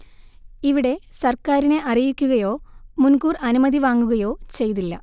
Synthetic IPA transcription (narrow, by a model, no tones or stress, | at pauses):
iʋiɽe̞sɐrkaːɾine̞ʔɐrijikʲːuɣɐjo̞ːmunkuːrɐnumɐðiʋaːŋːuɣɐjo̞ːt͡ɕe̞jt̪̬ilːɐ̰